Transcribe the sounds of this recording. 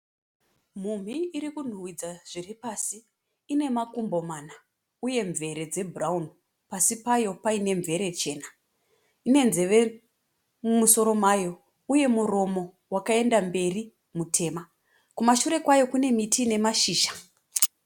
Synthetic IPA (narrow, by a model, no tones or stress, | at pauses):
m̤um̤iːɾikun̤uwid͡zaʐ̥iripaːsiː | ne̞makumbo̞maːna | uje̞ɱvʱe̞ɾe̞d͡ze̞bʱuraun | pasipajo̞paine̞ɱvʱe̞ɾe̞t͡ʃe̞ːna | ine̞nzeʋe | muso̞ɾo̞maːjo̞ | uje̞muro̞mo̞ | wakae̞ndambe̞ri | mutʰe̞ma | kumaʃuɾe̞kwajo̞kune̞mitʰine̞maʃiːʃḁ